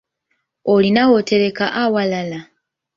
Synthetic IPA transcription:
olinawo̞te̞ɾe̞kaʔawalala

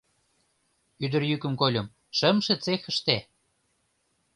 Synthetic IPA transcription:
yd̪ə̆rjykə̆mkolʲɤ̆m | ʃə̆mʃĕt͡sexə̆ʃt̪e

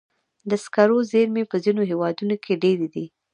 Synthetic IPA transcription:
d̪əskaɾozeɾmepəzinoɦewɑd̪unokʰeɖeɾed̪i

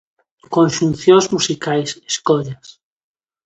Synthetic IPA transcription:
kõnʃunθjonzmusikajseskoʎas

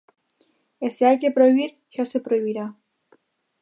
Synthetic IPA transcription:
eseajkepɾoiβiɾ | çosepɾoiβiɾa

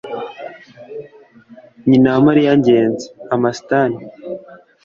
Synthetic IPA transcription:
ɲinamaɾijaɲɟeːnze̥amasi̥tani

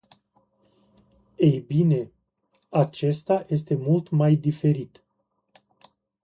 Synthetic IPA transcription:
ejbine̞ | at͡ʃe̞st̪aje̞s̬t̪e̞mult̪majd̪ife̞ɾit̪

